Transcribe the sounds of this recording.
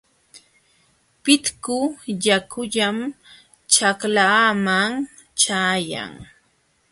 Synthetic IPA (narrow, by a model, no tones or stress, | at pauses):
pɪt̪kʊjakʰʊʎam | t͡ʃaklaːmaŋ | t͡ʃaːja̰ŋ